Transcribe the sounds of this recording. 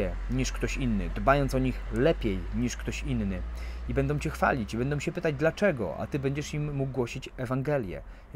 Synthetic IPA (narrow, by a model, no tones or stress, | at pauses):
ɛ | ɲiʂkt̪ɔɕinːɘ̰d̪bajɔnt̪sɔɲixlɛpʲjɛjɲiʂkt̪ɔɕinːɘibɛnd̪ɔ̃w̃t͡ɕɛxfa̰lʲit͡ɕibɛnd̪ɔ̃w̃t͡ɕɛpɘt̪ad͡ʑd̪lat͡ʂɛɡɔ̰a̰t̪ɘbɛɲd͡ʑɛʂimːuɡ̚ɡwɔɕit͡ɕɛvaŋɡɛlʲjɛ̰